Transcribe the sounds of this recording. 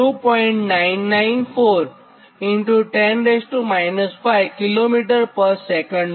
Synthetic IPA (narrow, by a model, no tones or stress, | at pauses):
upɔ̃ĩɳʈnainːajnfoɾ | iɳʈuʈɛ̃nɾesʈumajnəsfajʋkilomiʈəɾpəɾsɛkə̃ɳɖ